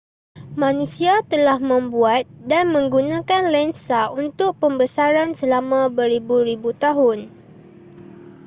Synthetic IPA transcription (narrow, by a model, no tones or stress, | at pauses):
mãnũsiat̪əlahmə̃mbuat̪̚danmə̃ŋɡunãkanlɛnsaunt̪ʊk̚pəmbəsaɾansəlamãbəɾibuɾibut̪aɦʊn